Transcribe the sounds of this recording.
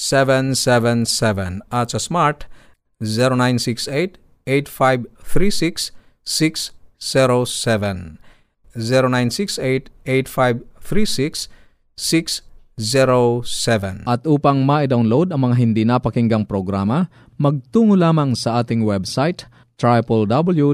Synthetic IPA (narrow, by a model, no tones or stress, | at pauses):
sɛvɛnsɛvɛnsɛvɛnasɐsmaɹt̪ | zɛɾonajnsiksejt̪ | ejt̪fajbθɾiːsiksː | iksːɛɾosɛvɛn | zɛɾonajnsiksejt̪ejt̪fajbθɾisiksː | iksziɾosɛvɛnʔɐt̪ʔuːpɐŋmaʔɪd̪awnlod̪ɐŋmɐŋaɦɪnd̪inapɐkɪŋɡɐŋpɾoɡɾaːmɐ | mɐɡ̚t̪uːŋʊlaːmɐŋsɐʔaːt̪ɪŋwɛbsajt̪ | t̪ɹajpɛld̪abɐlju